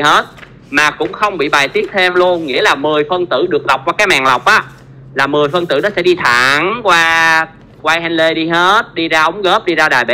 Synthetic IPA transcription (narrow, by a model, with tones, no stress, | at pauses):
he˦˥t̚ | maː˨˩kʊ̰˧˥ŋ͡mxə˧wŋ͡mɓḭ˧˨ɓaː˨˩jt̪i˦˥ək̚t̪ʰe˧mlu˧ənŋḭ˧˥əlaː˨˩mɨ˨˩əjfə˧nt̪ɨ̰˧˩ɗɨ˨˩ək̚la˨˩wk͡p̚kwaː˧kaː˨˦˥jmaː˨˩ŋla˨˩wk͡p̚ʔaː˨˦ | laː˨˩mɨ˨˩əjfə˧nt̪ɨ̰˧˩nɔ˨˦˥sɛ̰˧˥ɗi˧t̪ʰa̰˧˨ŋkwaː˧ | kwaː˧jha˧jnle˧ɗi˧ɦe˦˥t̚ɗi˧zaː˧ʔə˨˦ŋ͡mɣəː˦˥p̚ɗi˧zaː˧ɗaː˨˩jɓḛ˧˦